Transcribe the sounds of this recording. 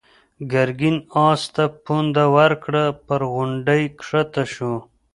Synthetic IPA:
ɡaɾɡinɑːst̪apund̪awaɾkɽəpəɾɣʊɳɖəjkʂat̪aʃu

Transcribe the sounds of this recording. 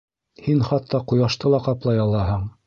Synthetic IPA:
hinχɑt̪ːɑqujɑʃt̪ɤlˠɑqɑplˠɑjɑlˠɑɦɤɴ

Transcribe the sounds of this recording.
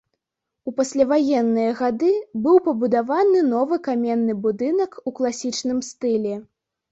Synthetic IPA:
upasʲlʲavajɛnːɨjɐɣad̪ɨbɨwpɐbud̪avanɨnɔvɨkamʲɛnːɨbud̪ɨnɐkuklˠasʲit͡ʂnɨmst̪ɨlʲɛ

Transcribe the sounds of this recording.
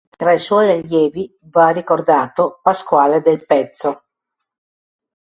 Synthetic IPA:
t̪ɾaiswɔjaʎːɛːvi | varikord̪aːt̪opaskwaːled̪elpɛt̪sːo

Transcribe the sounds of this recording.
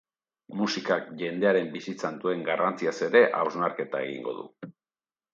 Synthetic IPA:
musikakʝe̞nd̪e̞aɾe̞mbisit͡sand̪ue̞ŋɡarant͡siase̞ɾe̞ʔa̰wzmaɾke̞t̪ae̞̰ɣḭŋɡo̞̰ðṵ

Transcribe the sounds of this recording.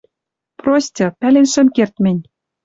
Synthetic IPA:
prosʲtʲɤ̆pælenʃɘ̆mkert̪mɘ̆nʲ

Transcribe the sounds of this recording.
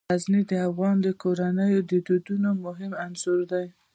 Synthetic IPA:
aznid̪əafɣɑnd̪əkoɾanəjod̪əd̪ud̪unomʊɦɪmanzuɾd̪aj

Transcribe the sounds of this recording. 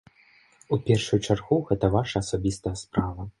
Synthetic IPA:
upʲɛrʂujut͡ʂarɣuɣɛt̪ɐvaʂɐːsabʲist̪ɐjɐspɾavɐ

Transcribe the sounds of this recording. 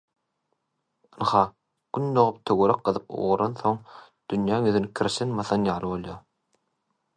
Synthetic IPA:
ɯnhɑ | ɡ̥ynd̪oʁup̚t̪ʰøɡøɾæk̚qɯðɯp̚ṵʁuɾɑnθo̞ŋ | d̪̥ynjæːŋøðynikʲʰiɾʃenmɑθɑnjɑːlˠɯβo̞lˠjɑ

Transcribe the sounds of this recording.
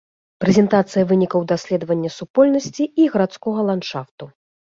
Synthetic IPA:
pɾɛzʲɛnt̪at̪sɨjɐvɨnʲikɐwd̪asʲlʲɛd̪vɐnʲːɐsupɔlʲnɐsʲt͡sʲiiɣɐɾat̪skɔɣɐlˠanʂaft̪u

